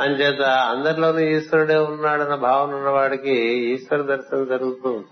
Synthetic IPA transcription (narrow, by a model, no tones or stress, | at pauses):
ɐɲd͡ʒeːt̪ɐɐnd̪ɐɾloːnuiːsʋɐɾuɽeːunːaːɽɐnɐbʱaːʋɐnɐnːɐʋaːɽɐkeiːʃʋɐɾɐd̪ɐɾʃɐnɐd͡ʒɐɾuɡut̪u